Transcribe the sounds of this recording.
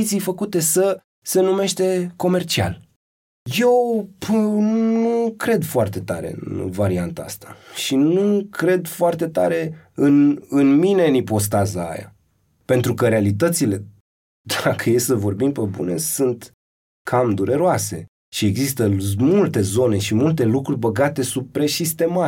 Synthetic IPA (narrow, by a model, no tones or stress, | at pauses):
t̪sijfəkut̪e̞sə | se̞nume̞ʃt̪e̞ko̞me̞rt͡ʃia̰l | je̞w | nnukɾe̞d̪foart̪e̞t̪aɾe̞̰ɨ̰nnvaɾiant̪aa̰st̪ḁʃinukɾe̞d̪foart̪e̞t̪aɾe̞ɨnɨnmine̞nipo̞s̬t̪azaa̰ja̰ | pe̞nt̪ɾukəɾealit̪ət̪sile̞ | d̪akəjesəvo̞rbimpəbṵne̞̰sɨnt̪ | kʰamd̪uɾe̞ɾoase̞ | ʃie̞ɡzist̪əmult̪e̞zo̞ne̞ʃimult̪̬e̞lukɾurʲbəɡat̪e̞supɾeʃist̪e̞ma